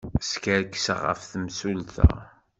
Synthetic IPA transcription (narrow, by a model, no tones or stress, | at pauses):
skəɾkːsə̰ʁə̰fθəmsulθæ̰